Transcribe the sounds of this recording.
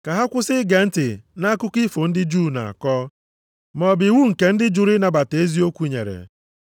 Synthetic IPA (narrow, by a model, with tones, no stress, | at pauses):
ka˨ɦa˦kʷʊ˦sɪ˦ɡe˨n̩˦tɪ˨na˦kʊ˦ki˦fo˨n̩˦dɪ˦d͡ʒu˦˨na̰˨a̰˨kɔ˦ | mɔ˨bɪ˨wu˦ŋ̩˨ke˨n̩˦dɪ˦d͡ʒʊ˨ɾi˦na˨ba˨te˦zi˦o˦kʷu˦ɲḛ˨ɾḛ˨